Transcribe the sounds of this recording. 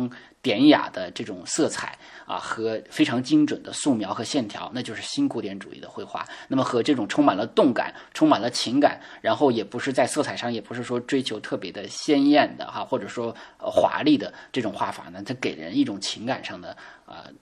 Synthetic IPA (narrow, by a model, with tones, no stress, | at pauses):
ŋ | t̪jɛ˧˥nja̰˨˩d̪ə˦ʈ͡ʂɤ˥˩ʈ͡ʂʊ˨˩ŋsɤ˥˩t͡sʰa̰˨˩˦ɪɐ̰˧xɤ˧˥fe˥ɪʈ͡ʂʰɑ˧˥ŋt͡ɕi˥ŋʈ͡ʂwə˨˩nd̪ə˦su˥˩mjɑ˧˥ʊxɤ˧˥ɕjɛ˥˩nt̪ʰjɑ̰˧˥ʊna˥˧t͡ɕjʊʂɻ̩˥˩ɕi˥nkʰu˧˥t̪jɛ˧˥nʈ͡ʂṵ˨˩ḭ˥˩d̪ə̰˨˧xwe˥˧ɪxwa̰˥˩na˥˩mə˩xɤ˧˥ʈ͡ʂɤ˥˩ʈ͡ʂʊ˨˩ŋʈ͡ʂʰʊ˥ŋma˨˩nlə˦t̪ʊ˥˩ŋka̰˨˩˦n | ʈ͡ʂʰʊ˥ŋma˨˩nlə˦t͡ɕʰi˧˥ŋka̰˨˩˦n | ɻa˧˥nxo˥˩ʊjɛ˨˩pu˧˥ʂɻ̩˥˧t͡sa˥˧ɪsɤ˥˩t͡sʰa˨˩ɪʂɑ˥˩ŋjɛ˨˩pu˧˥ʂɻ̩˥˩ʂwɔ˥ʈ͡ʂwe˥ɪt͡ɕʰjo˧˥ʊt̪ʰɤ˥˩pjɛ˧˥d̪ə˧ɕjɛ˥njɛ˥˩nd̪ə̰˩a˧xwɔ˥˩ʈ͡ʂɤ˨˩ʂwɔ˥ə̰˧xwa̰˧˥li˥˩d̪ə˩ʈ͡ʂɤ˥˩ʈ͡ʂʊ˨˩ŋxwa˥˩fa̰˨˩˦nə˧t͡s̪ʰa˥ɪke˨˩ɻə̰˧˥ni˥˩ʈ͡ʂʊ˨˩ŋt͡ɕʰi˧˥ŋka˨˩nʂɑ˥˩ŋd̪ə˩ə̰˧